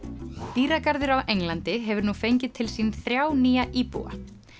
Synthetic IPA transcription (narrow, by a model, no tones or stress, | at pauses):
t̪iːɾakaɾðʏɾawʔejŋlant̪ɪɦɛvʏɾnufejɲcɪt̪ʰːɪlsiːnθɾjaːwniːjaʔiːpṵwa̰